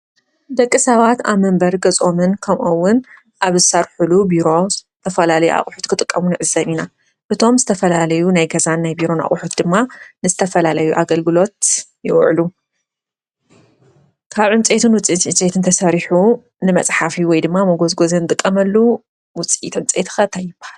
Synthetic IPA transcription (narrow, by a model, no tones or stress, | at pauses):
d̪ɐkʼːɨsɐβat̪a̰βmɐmbɐɾɡɐzʼo̞mɨnkʰɐmʔowːʊn | ʔaβzɨsɐɾħulubiɾo̞zɨt̪ʰɐfɐlalɐjṵʔa̰χʼħut̪kʰɨt̪ʼɨkʼːɐmunɨʕɨzːɐβina | ʔɨt̪ʰo̞mzɨt̪ʰɐfɐlalɐjunajɡɐzanːajbiɾo̞na̰χʼʊħut̪̚d̪ɨmːanɨzɨt̪ʰɐfɐlalɐjuʔaɡɐlɡɨlo̞t̪jɪʔʕlu | kʰaβʕɨnt͡sʼet̪ʰɨnwʊt͡sʼiit̪nt͡sʼet̪ʰɨnt̪ʰɐsɐɾiħu | nɨmɐ̰t͡sʼħafiwɔjd̪ɨmːamɐɡo̞zɡozɐnt̪ʼɨkʼːɐmɐlːu | wʊt͡sʼḭt̪ʰɨnt͡sʼet̪ʰxɐt̪ʰajːɪb̥ahal